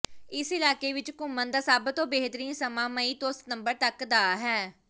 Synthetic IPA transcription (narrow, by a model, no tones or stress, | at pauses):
ɪsɪlaːkeːʋɪt͡ʃkʊmːənd̪aːsaːbt̪õːbeɦt̪əɾĩːnsəmãːməiːt̪ost̪nəmbəɾt̪əkd̪aːɦɛː